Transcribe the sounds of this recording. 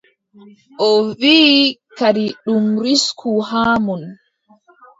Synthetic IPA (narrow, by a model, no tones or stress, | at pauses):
ʔɔviːkaɾiɗumɾiskʰuɦaːmun